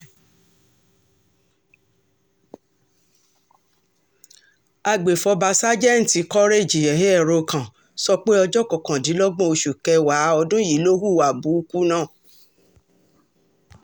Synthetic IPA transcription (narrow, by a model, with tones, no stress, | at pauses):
a˧ɡ͡be˨fɔ˧ba˧sa˦d͡ʒɛ˦n̩˨ti˨˧˦kɔ˦ɾe˦˨d͡ʒi˨ɛ˨ɦe˦ɛ˦˨ɾo˧kã˨ | sɔ˧k͡pe˦ɔ˧d͡ʒɔ˦kɔ˨kã˨dĩ˨˦lɔ˦ɡ͡bɔ̃˦o˧ʃu˨kɛ˧wa˨˦ɔ˧dũ˦ji˨˦lo˦hu˦˨wa˨bu˨˦˧ku˦nãː˦˨